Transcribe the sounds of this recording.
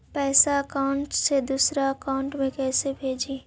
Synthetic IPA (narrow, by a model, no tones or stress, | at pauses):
pɛːsaɐkaʊɳʈsed̪uːsɾaɐkaʊɳʈmẽkɛːsebʱeːd͡ʒiː